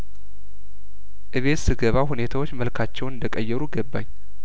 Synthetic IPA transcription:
ʔɨβe̞t̪sɨɡəβahune̞t̪ʰawot͡ʃːməlkʰat͡ʃːɛwnɨnd̪əkʼəjːɛɾuɡəbːa̰ɲ

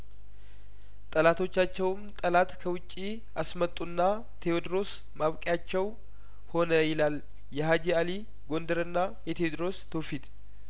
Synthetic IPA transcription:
t̪ʼəlat̪ʰo̞t͡ʃːat͡ʃːɛwmt̪ʼəlat̪kʰəwʊt͡ʃʼːi | asmət̪ʼːunːa | t̪ʰeod̪ɾo̞s | maβkʼjat͡ʃːɛw | ho̞nəjɪlal | jɛɦad͡ʒiali | ɡo̞nd̪əɾɨnːajɛt̪ʰeod̪ɾo̞st̪ʰofit̪

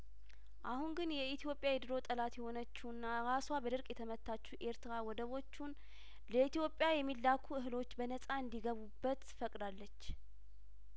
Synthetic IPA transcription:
ʔahunɡɨnjɛit̪ʰijo̞pʼːjajɛd̪ɨɾo̞t̪ʼəlat̪jɛho̞nət͡ʃːuɨnːaɾaswabəd̪ɨɾkʼjɛt̪ʰəmət̪ʰːat͡ʃːuʔe̞ɾt̪ɾawɔd̪əβo̞t͡ʃːun | ləit̪ijo̞pʼːjajɛmːilːakʰuɨɦɨlo̞t͡ʃːbənəsʼaɨnd̪iɡəβubːət̪fəkʼd̪alːət͡ʃː

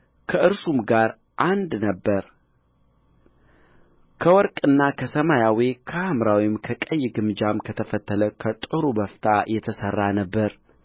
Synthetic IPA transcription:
kʰəʔɨɾsumɡaɾ | ʔand̪nəbːəɾ | kʰəwɔɾkʼɨnːakʰəsəmajawikʰəamɾawimkʰəkʼəjːɡɨmd͡ʒamkʰət̪ʰəfət̪ʰːələkʰət̪ʼɨɾubəft̪ʰajɛt̪ʰəsərːanəbːəɾ

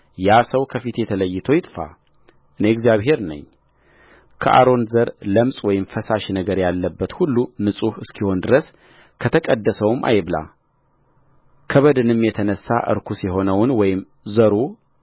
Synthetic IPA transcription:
jasəwkʰəfit̪jɛt̪ʰələjːɪt̪ʰəjɪt̪ʼfa̰ | ʔɨneɡzijaβɦe̞ɾnə̰ɲː | kʰəʔa̰ɾo̞nzəɾləmsʼwɔjɪmfəsaʃnəɡəɾjalːəbːət̪hulːunɨsʼuhɨskʰiho̞nd̪ɨɾəs | kʰət̪ʰəkʼəd̪ːəsəwmʔa̰jβla̰ | kʰəβəd̪ɨnɨmjɛt̪ʰənəsːa̰ʔɨ̰ɾkʰusjɛɦo̞nəwnwɔjɪm | zəɾu

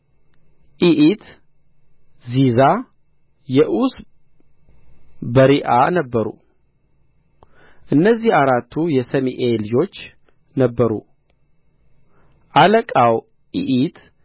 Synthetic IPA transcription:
ʔiʔit̪ | ziza | jɛʔus | bəɾiʔanəbːəɾṵ | ʔɨnːəzːihaɾat̪ʰːujɛsəmiʔeljo̞t͡ʃː | nəbːəɾṵ | ʔaləkʼaw | ʔiʔit̪

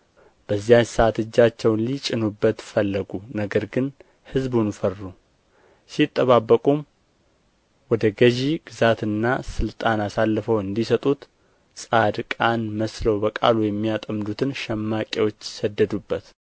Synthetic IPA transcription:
b̥əzːijaɲsəʔat̪ɨd͡ʒːat͡ʃːɛwnlit͡ʃʼɪnubːət̪fəlːəɡunəɡəɾɡɨn | hɨzbunfərːu | sit̪ʼːəβabːəkʼum | wɔd̪əɡəʒiɡ̥ɨzat̪ɨnːasɨlt̪ʼanasalːəfəwɨnd̪isət̪ʼut̪ | sʼad̪kʼanməsləwbəkʼa̰lujɛmːijat̪ʼəmd̪ut̪ʰɨnʃɛmːakʼewo̞t͡ʃːsəd̪ːəd̪ubːət̪

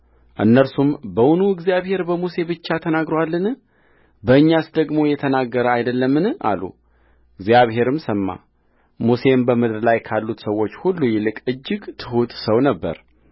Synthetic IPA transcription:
ʔɨnːəɾsumbəwʊnuɨɡzijaβhe̞ɾbəmuse̞bɨt͡ʃːat̪ʰənaɡɾowalːɨnɨ | bəɨɲːasd̪əɡmo̞jɛt̪ʰənaɡːəɾəajd̪əlːəmːɨnɨʔa̰lṵ | ɨɡzjaβɦe̞ɾɨmsəmːa̰ | muse̞mbəmɨd̪ɾlajkʰalːut̪səwːo̞t͡ʃːhulːujɪlɨkʼɨd͡ʒːɪɡt̪ʰɨhut̪səwnəbːə̰ɾ

